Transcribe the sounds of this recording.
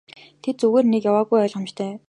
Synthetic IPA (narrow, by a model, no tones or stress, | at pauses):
t̪ʰet̪̚t͡suɣeːrnekjawaːɣujœːɮʁə̆mt͡ɕt̪ʰœː